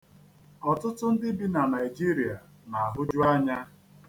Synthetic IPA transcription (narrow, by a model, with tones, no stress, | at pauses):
ɔ˨tʊ˦tʊ˦n̩˦dɪ˦bi˦na˨na˨i˨d͡ʒi˦ɾi˨a˨ | na˨a˨ɦʊ˦d͡ʒʊ˦a˦ɲa˦